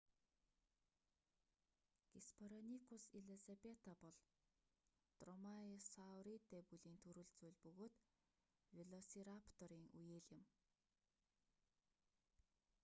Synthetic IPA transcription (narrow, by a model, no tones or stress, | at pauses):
ɡ̥ispʰɔɾanikʰusiɮesapet̪apɔɮ | t̪rɔmairsawɾit̪ːepuɮiːnt̪ʰɵɾɘ̆ːɮt͡suːɮpɵɣoːt̪ | wiɮɔsiɾapʰt̪ɔɾiːŋujeːɮɪ̆m